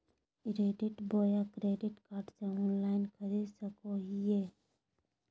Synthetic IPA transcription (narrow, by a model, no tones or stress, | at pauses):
ɾeːɖɪʈboːjakɾeːɖɪʈkaːɾɖseɔːnlaːɪnkʰəɾid̪səkoɦijeː